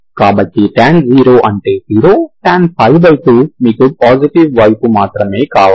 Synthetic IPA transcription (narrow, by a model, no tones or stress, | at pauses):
kaːbɐʈːiʈaːnd͡ʒiːɾo̞ːʔɐɳʈe̞ːziːɾoːʈaːnpʰɐjbɐjpuːmiːkupaːd͡ʒiʈiʋʋɐjpumaːt̪ɾɐme̞ːkaːʋa